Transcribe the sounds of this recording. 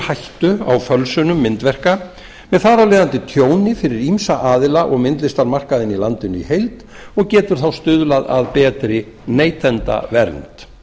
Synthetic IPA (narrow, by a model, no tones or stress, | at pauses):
hajht̪ʏa̰wfœlsʏnʏmːɪnt̪vɛr̥ka | mɛðθaːɾalɪːðant̪ɪt̪ʰjoːwnɪfɪɾɪɾimsaʔaːðɪlaʔɔɣmɪnt̪lɪst̪aɾmar̥kaðɪnilant̪ɪnʏḭhejlt̪ | ɔɣcɛːt̪ʏɾ̥θawst̪ʏðlaða̰ðpɛːt̪ɾɪ | neːjt̪ʰɛnt̪a̰vɛɾnt̪